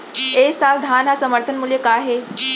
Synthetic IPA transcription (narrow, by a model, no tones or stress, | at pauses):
eːsaːld̪ʱaːnɦasəməɾt̪ʰənmuljəkaːɦe